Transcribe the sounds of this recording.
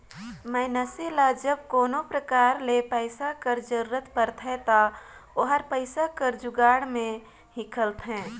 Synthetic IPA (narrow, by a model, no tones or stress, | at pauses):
məɪnəsilad͡ʒəb̚koːnopɾəkaːɾlepəɪsakəɾd͡ʒəɾuɾət̪pəɾt̪ʰɦɛt̪aoɦəɾpəɪsakəɾd͡ʒʊɡaːɽmẽ | hikʰəlt̪ɦɛ̃ː